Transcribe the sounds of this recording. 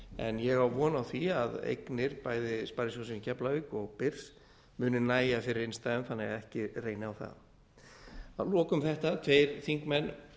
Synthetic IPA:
ɛ̰njɛɣawvɔːnawθiaðḛjknɪɾ̥paːjðɪspaɾisosɪncʰɛplaviːkɔɣpɪɾ̥s | mʏːnʏnaːjafɪɾɪɾɪnst̪aðʏmθanːɛɣaðɛhcɪreːjnɪawθa̰ð | aðlɔːkʏmθɛht̪at̪ʰveːjɾ̥θiŋkmɛnː

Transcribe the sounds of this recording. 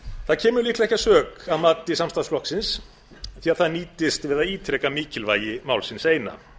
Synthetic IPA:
θaðcʰɛːmʏɾliːklaɛhcasœːkaðmaːt̪ɪsamst̪aslɔhksɪns | θiaðθaðniːt̪ɪst̪vɪðaðiːt̪ʰɾɛːkamiːcɪlvaːjɪmawlsɪnseːjna̰

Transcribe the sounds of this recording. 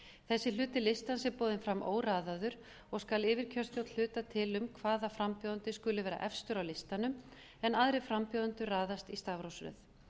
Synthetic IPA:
θɛsːɪlʏːt̪ɪlɪst̪ansɪpoːðɪnfɾamʔo̰ːwraːðaðʏɾ | ɔɣskalɪːvɪɾ̥cʰœst̪jowt̪l̥ʏːt̪at̪ʰɪlʏmkʰvaːðafɾampjoːðʏnt̪ɪskʏlɪvɛːɾa̰ʔɛfst̪ʏɾawlɪst̪anʏm | ɛnaðɾɪfɾampjoːðʏnt̪ʏraːðast̪ist̪avɾowsɾɛ̰θ

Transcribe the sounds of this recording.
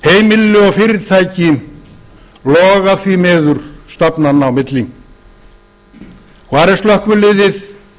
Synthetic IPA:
heːjmɪlːɪɔfɪɾɪɾt̪ʰaːjcɪ | lɔːɣaθvimɛːðʏɾ̥st̪apnanawmɪt̪liŋ | kʰvaːɾɛɾ̥st̪lœhkvʏlɪːðɪθ

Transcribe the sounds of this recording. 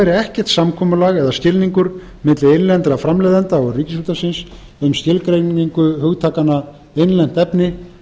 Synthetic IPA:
ɛɾɪɛhcɛr̥t̪samkʰɔːmʏlaɣɛðascɪlniŋkʏɾ | mɪt̪lɪejnlɛnt̪ɾafɾamlɛjðant̪aɔɣriːcɪsɾuːt̪asɪns | ʏmst̪ɪlkɾejniŋkʏɦʏɣt̪ʰaːkanːa | ejnlɛn̥t̪ɛpnɪ

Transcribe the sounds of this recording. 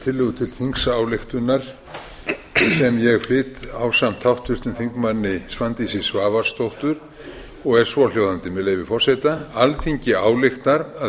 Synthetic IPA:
t̪ʰɪlːʏɣʏt̪ʰɪlθiŋksaːwlɪxt̪ʏnːaɾ̥ | sɛmjɛɣflɪːt̪awsamt̪ʰawht̪ʏr̥t̪ʏnθiŋkmanːɪsvant̪isɪ̥svaːvaɾ̥st̪owht̪ʏɾ̥ | ɔɣɛɾ̥svɔljowðant̪ɪmɛðlejvɪfɔr̥sɛt̪aalθiɲcɪaːwlɪxt̪aɾa

